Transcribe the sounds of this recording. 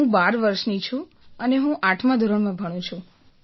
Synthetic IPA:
ɦũbaɾʋəɾʃnit͡ʃʰũ | əneɦũʔaʈʰmãd̪ʱoɾəɳmãbʱəɽ̃ũt͡ʃʰũ

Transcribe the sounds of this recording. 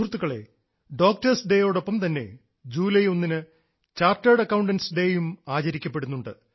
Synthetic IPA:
urt̪ːuɣɐɭe̞̰ | ɖo̞ːk̚ʈɐrsɖeːjo̞ːɽo̞pːɐmt̪ɐnːe̞̰ | d͡ʑuːlɐjo̞nːinɨ | t͡ɕaːrtɐːɽɐkːɐwɳɖɐnsɖeːjumaːt͡ɕɐɾikʲːɐpːe̞ɽunːuɳɖɨ̰

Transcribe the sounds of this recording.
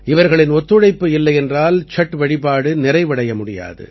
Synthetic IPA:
ʔɪʋɐɾɣɐɭɪnɔt̪ːɯɻɐɪpːɯɪlːɐɪɛndraːlt͡ʃɐʈːʋɐɻɪpaːɽɯnɪrɐɪʋɐɽɐjɐmʊɽɪja̰ːðɯ̰

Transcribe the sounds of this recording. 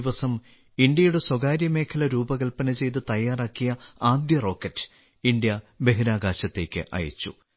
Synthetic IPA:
iʋɐsɐm | iɳɖjɐjuɽe̞swɐɡaːɾjɐme̞ːkʰɐlɐɾuːbɐɣɐlpɐnɐt͡ɕe̞jt̪̬ɨt̪ɐjːaːraːkːijɐaːd̪jɐro̞ːkːɐtːɨ̥ | iɳɖ̪jɐbe̞ɦiɾaːɡaːɕɐt̪ːe̞ːkʲːɨ̰ʔɐ̰jɐ̰t͡ɕːṵ

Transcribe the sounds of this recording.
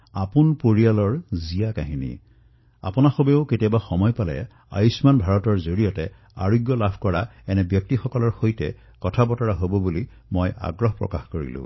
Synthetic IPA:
apunpoɹialɔɹzijakaɦinḭ | a̰pʊnaxobeʊketiabaxɔmɔjpalɛ̰ | a̰jsmanbʱaɹɔtɔɹzoɹijɔtɛ | aɹuɡjɔlabʱkɔɹaɛnɛbjɔk̚tixɔkɔlɔɹxojtɛ̰ | kɔtʰabɔtɔɹaɦobɔbuli | mɔja̰ɡɹɔɦpɹɔ̰kaxkoɹḭlʊ̰̃

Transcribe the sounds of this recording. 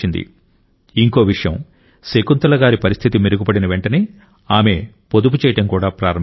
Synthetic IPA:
ind̪ḭ | iŋko̞ːʋiʂɐjɐ̰m | sekunt̪ɐlɐɡaːɾipɐɾist̪ʰit̪imiɾuɡubɐɽinɐʋe̞ɳʈɐneː | aːme̞ | pod̪up̬ut͡ʃɛːjɐʈɐmkuːɽaːpɾaːɾɐm

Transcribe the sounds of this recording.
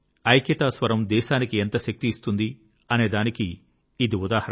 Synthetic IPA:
ɐjkjɐt̪aːsʋɐɾɐmd̪ɛːʃaːnikient̪ɐʃɐk̚t̪iːst̪und̪i | ɐne̞ːd̪aːnikiː | d̪iud̪aːhɐɾ

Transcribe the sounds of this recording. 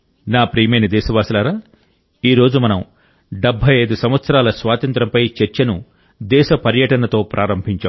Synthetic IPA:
naːpɾiːmejnɐd̪ɛːʃɐʋaːsɐlaːɾaː | iːɾo̞ːd͡ʒumɐnɐm | ɖebʱːɐjɐjd̪usɐm̃ʋɐt̪sɐɾaːlɐsʋaːt̪ɐnt̪ɾɐmpɐjt͡ʃeɾt͡ʃɐnu | d̪ɛːʃɐpɐɾjɐʈɐnɐt̪o̞ːpɾʔaːɾɐmbʱiɲt͡ʃa̰ː

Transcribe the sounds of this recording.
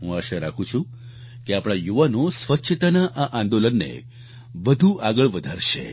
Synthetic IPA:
ɦũaʃaɾakʰũt͡ʃʰũ | keapɽ̃ajuʋanosʋətːʃʰət̪anaʔaʔãnd̪olənːḛ | ʋəd̪ʱuʔaɡəɭʋəd̪ʱaɾʃḛ

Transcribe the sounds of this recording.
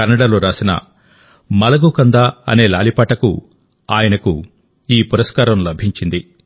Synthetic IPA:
ɐnːɐɽaːloːɾaːsinɐ̰ | mɐlɐɡukɐnd̪aːɐ̰ne̞ːla̰ːlipaːʈɐkṵ | aːjɐnɐku | iːpuɾɐskaːɾɐmlɐbʱiɲt͡ʃind̪i

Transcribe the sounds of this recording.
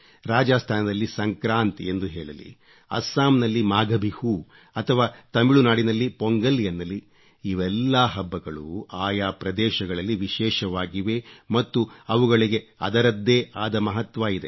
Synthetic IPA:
ɾaːd͡ʒaːst̪ʰaːnɐd̪ɐlːisɐŋkɾaːnt̪iend̪uɦeːɭɐlḭ | ɐ̰sːaːmnɐlːimaːɡɐbʱihu | ɐt̪ʰɐʋaːt̪ɐmiɭunaːɽinɐlːipoŋɡɐlːjɐnːɐlːiː | ʋɛlːaːɦɐbːɐɡɐɭuaːjaːpɾɐd̪ɛːʃɐɡɐɭɐlːiʋiʃɛːʃɐʋaːɡiʋemɐt̪ːuɐʋuɡɐɭiɡe̞ɐ̰d̪ɐɾɐd̪ːeːʔaːd̪ɐmɐɦɐt̪ʋaːid̪e

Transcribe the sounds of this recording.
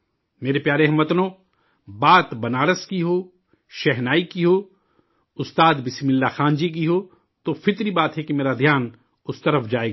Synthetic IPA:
meːɾepjaːɾeɦɐmɐt̪nõː | baːt̪bɐnaːɾəskiɦoː | ʃɛɦnaːikiɦoː | ʊst̪aːd̪bɪsmɪlːaxaːnd͡ʒik̬iɦoː | t̪ofɪt̪ɾibaːt̪ɦɛkimeːɾad̪ʱjaːn | ʊst̪ɐɾəfd͡ʒaːeːɡa

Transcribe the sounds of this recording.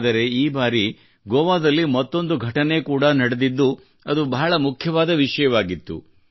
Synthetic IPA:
d̪ɐɾe̞iːbaːɾi | ɡɔːʋaːd̪ɐlːimɐt̪ːo̞nd̪uɡʱɐʈɐne̞kuːɽɐnɐɽed̪id̪ːu | ɐd̪ubɐːɐɭɐmukʰjɐʋaːd̪ɐʋiʂɐjɐʋaːɡit̪ːṵ

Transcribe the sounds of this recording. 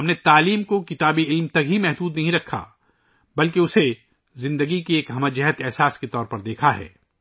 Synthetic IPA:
ɦɐmnet̪aːliːmkokɪt̪aːbiɪlmt̪ɐkɦimɛɦd̪uːd̪nɐɦĩɾɐkʰːa̰ | bɐlkeʊse | zɪ̃nd̪əɡikieːkɦɐmad͡ʒɐɦət̪ɛɦsaːsket̪ɔːɾpɐɾd̪eːkʰaɦɛ̰ː

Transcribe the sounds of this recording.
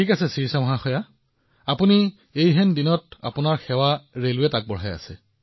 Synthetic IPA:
tʰikasɛsiɹisamɔɦaxɔja | apuni | ejɦɛndinɔt̚a̰punaɹxɛwaɹelʊɛtak̚bɔɹ̤ɦaja̰sɛ̰

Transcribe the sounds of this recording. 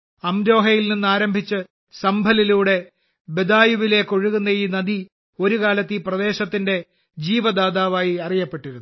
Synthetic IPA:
ɐmɾo̞ːɦɐjilninːɨaːɾɐmbʱit͡ɕːɨ | sɐmbʱɐliluːɽe̞ | be̞d̪aːjuʋile̞ːkːo̞ɻuɣunːɐjiːnɐd̪i | o̞ɾukaːlɐt̪ːiprɐd̪e̞ːɕɐt̪ːinde̞ | d͡ʑiːʋɐd̪aːd̪aːʋaːjiɐrijɐpːe̞ʈːiɾunːu

